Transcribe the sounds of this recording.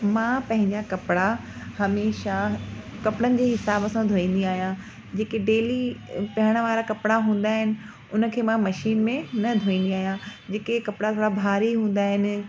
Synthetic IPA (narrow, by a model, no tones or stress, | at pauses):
mãːpɐ̃ɦɪ̃ɲd͡ʑakɐpɪɽahɐmeːʃakɐpɽənɪ̆d͡ʑeːɦɪsaːbəsãd̪ʱoːĩːn̆d̪iaːɦijã | d͡ʑeːkeɖeːlipɐɦəɽ̃ə̆ʋaːɾakɐpɪɽaɦũːn̆d̪aːɦɪnɪ̆ | ʊnə̆kʰeːmãmɐʃiːnmẽnɐd̪ʱoːĩːnd̪iaːɦijãd͡ʑeːkekɐpɪɽat̪ʰoːɽabʱaːɾiɦũːn̆d̪aːɦɪnɪ̆